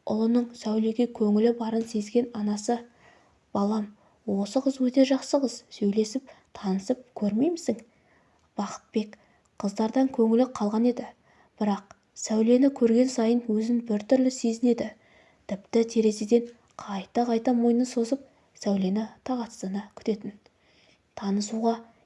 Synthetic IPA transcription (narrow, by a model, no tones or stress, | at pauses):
ʔʊ̰lˠənəɴsæwle̞ɡʲe̞kʲʰɵŋɪlɪbɑɾənse̞zɡʲe̞nɑnɑsə | b̥ɑlˠɑm | wo̞səqəzwɵt̪e̞ʒɑqsəqəzsɵjle̞sɪp̚t̪ʰɑnəsəp̚kʲʰɵɾme̞jmɪsɪŋ | b̥ɑqə̥t̪̚be̞kʲ | qʰəzd̪ɑɾd̪ɑŋkʲʰɵŋɪlɪqʰɑlˠʁɑne̞d̪ɪ | b̥ɪɾɑq̚ | sæwle̞nɪkʲʰɵɾɡʲe̞nsɑjənwɵzɪnbɪɾt̪ʰʏɾlɪse̞zɪne̞d̪ɪ | t̪ʰɪpt̪ɪt̪ʰe̞ɾe̞se̞d̪e̞n | qʰɑjt̪ɑqʰɑjt̪ɑmo̞jnəso̞zəp̚ | sæwle̞nɪt̪ʰɑʁɑt̪sənɑkʲʰʏ̥t̪e̞t̪ɪn | t̪ʰɑnəsuʁɑ